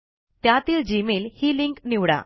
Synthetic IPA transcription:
t̪jat̪iːld͡ʑimelhiːliŋkniʋɽa̰

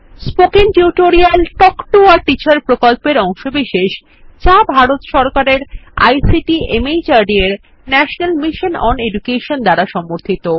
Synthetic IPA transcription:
spokinʈuʈoɾialʈɔkʈuaɾʈit͡ɕaɾpɾokolpeɾɔŋʃobiʃeʃ | t͡ɕabʱaɾot̪ʃɔɾkaɾeɾa̰jsiʈiemejd͡ʑaɾɖieɾ | nɛʃonalmiʃonɔ̰neɖukeʃond̪aɾaʃɔmːoɾt̪ʰit̪o

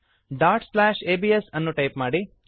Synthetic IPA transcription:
ɖaːɾʈslaːʃeːbiːesɐnːuʈɐjpmaːɽi

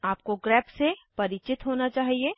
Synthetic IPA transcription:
aːp̚koɡɾɛːpsepɐɾɪt͡ʃɪt̪ɦoːnat͡ʃaːɦieː

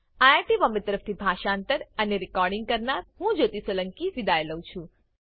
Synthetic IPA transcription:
ajaɾʈimɔmet̪əɾəft̪ʰibʱaʃaːnt̪əɾəneɾikɔɾɖɪŋɡ̚kəɾnaɾɦũd͡ʒot̪isʋələŋkiʋid̪aeləũt͡ʃʰũ

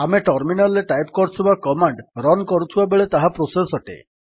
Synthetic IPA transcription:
ameʈɔɾminalːeʈajpkɔɾt͡ʃʰubakɔmaɳɖɾɔnkɔɾut̪ʰibabeɭet̪aɦapɾosesɔʈḛ

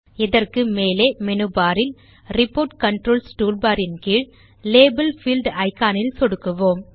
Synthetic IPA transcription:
ɪðɐrkɯmeːleːmɛnɯbaːɾɪl | ɾɪpːoːɾʈkɐɳʈɾoːlsʈuːlbaːɾɪnkiːɻ | leːbɐlfiːlɖɐɪkːaːnɪlsɔɽɯkːɯʋoːm

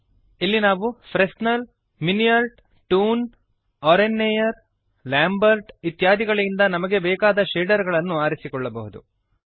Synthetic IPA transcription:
ilːinaːʋufɾesnɐl | minijɐɾʈ | ʈuːn | ɔːɾenːejɐɾ | laːmbɐɾʈit̪jaːd̪ʱiɡɐɭɐind̪ɐnɐmɐɡe̞bɛːkaːd̪ɐʃeːɖɐɾɡɐɭɐnːuaːɾisikɔɭːɐbɐɦud̪ṵ

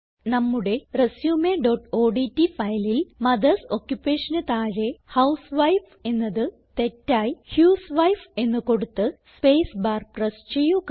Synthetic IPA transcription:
nɐmːuɽe̞resjuːmeɖoʈo̞ːɖitːifɐjlilmɐd̪ɐsokjupːe̞ːʂɐnɨt̪aːɻe̞hɐwsʋɐjf | e̞nːɐðɨ | t̪e̞tːaːjhjuːsʋɐjfe̞nːɨko̞ɽut̪ːɨspeːsbaːrprɐst͡ɕe̞jːuk

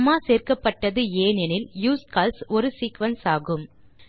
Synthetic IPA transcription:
maːseːrkɐpːɐʈːɐðɯeːnɛnɪljuːskaːlsɔɾɯsiːkʋɐnsaːɣɯm

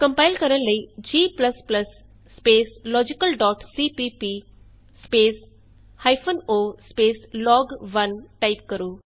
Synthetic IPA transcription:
kə̃mpajlkəɾənləid͡ʒiːplɐsplɐsː | peːslɔːd͡ʒikəlɖɔːʈsiːpipi | speːs | hajpʰonoːspeːslɔːɡʋɐnʈaip̚kəɾuː

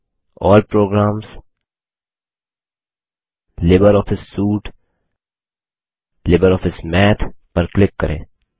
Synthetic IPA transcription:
ɔːlpɾoːɡɾaːms | lɪbəɾɔːfʰɪsːuːʈ | lɪbəɾɔːfɪsmɛːt̪ʰpɐɾklɪkːɐ̰ɾʔḛ̃ː

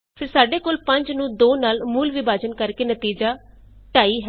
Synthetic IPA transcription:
pʰɪɾsaːɖeːkoːlpəɲd͡ʒnũːd̪oːnaːlmuːlʋɪbaːd͡ʒənkəɾkeːnət̪iːd͡ʒaː | ʈaːiːɦɛ

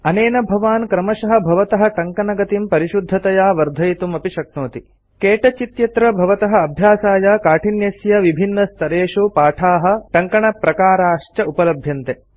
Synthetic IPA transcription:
ɐneːnɐbʱɐʋaːnkɾɐmɐʃɐɦɐ̆bʱɐʋɐt̪ɐɦɐ̆ʈɐŋkɐnɐɡɐt̪impɐɾiʃud̪ʱːɐt̪ɐjaːʋɐɾd̪ʱɐjt̪umɐpiʃɐk̚noːt̪i | keːʈɐt͡ʃit̪jɐt̪ɾɐbʱɐʋɐt̪ɐɦɐ̆ɐbʱjaːsaːjakaːʈʰinjɐsjɐʋibʱinːɐst̪ʰɐɾeːʂupaːʈʰaːɦɐ̆ʈɐŋkɐɳɐpɾɐkaːɾaːʂt͡ʃɐupɐlɐbʱjɐnt̪e

